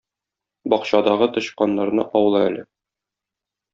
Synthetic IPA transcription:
bɒqɕɑd̪ɑʁɤt̪ŏɕqɑnːɑɾnɤʔɒwɤ̆lˠɑælɘ

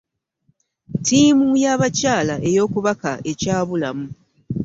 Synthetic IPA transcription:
tiːmujaβacaːlaʔe̞jo̞ːkuβaka̰ʔe̞caːβulamu

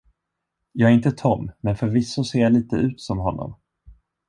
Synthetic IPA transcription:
jɑːɡæɾɪnt̪ət̪ʰɔmːɛnfœɾvɪsːʊseːɾjaliːt̪əʉ̟ːt̪sɔmɦɔnːɔ̰m

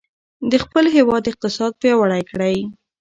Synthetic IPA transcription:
d̪əxpəlɦewɑd̪ːɪq̚t̪ɪsɑd̪̚pɾjɑwaɽajkɽaj

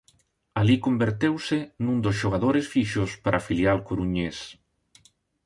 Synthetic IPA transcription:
alikombeɾt̪ewsenũnd̪osʒoɣaðoɾesfiʃospaɾʔafiljalkoɾuɲes

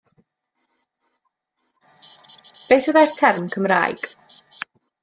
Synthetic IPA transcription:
b̥eːθəðajr̥tʰɛrmkʰəmra̰ːjɡ̥

